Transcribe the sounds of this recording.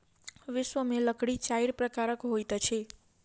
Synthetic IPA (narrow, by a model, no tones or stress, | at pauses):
ʋɪʃʋəmeləkɽit͡ʃaiɾpɾəkaɾəkɦojt̪ət͡ʃʰe